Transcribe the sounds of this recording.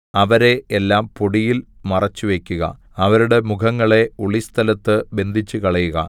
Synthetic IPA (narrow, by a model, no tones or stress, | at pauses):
ɐʋɐɾe̞ːlːaːmpoɽijil | mɐrɐt͡ɕːuʋe̞kʲːuɣɐ̰ | ɐʋɐɾuɽe̞mukʰɐŋːɐɭe̞uɭist̪ʰɐlɐt̪ːɨbe̞nd̪ʱit͡ɕːukɐɭɐjuɣɐ̰